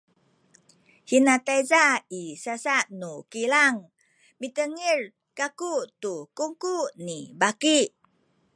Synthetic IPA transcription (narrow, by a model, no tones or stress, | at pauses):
hinat̪ajzaisasaʔnukilaŋ | mit̪əŋir | kakut̪ukuŋkuʔnibakiʔ